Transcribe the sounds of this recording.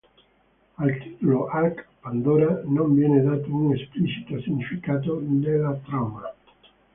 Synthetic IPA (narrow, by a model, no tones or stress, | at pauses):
alt̪it̪uloʔakpand̪oɾanõmbjɛned̪at̪ouŋesplit͡ʃi̥t̪osiŋɲifikat̪̬od̪elat̪ɾama